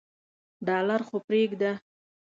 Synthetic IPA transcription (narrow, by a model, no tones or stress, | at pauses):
ɖɑlaɾxopɾeɡd̪a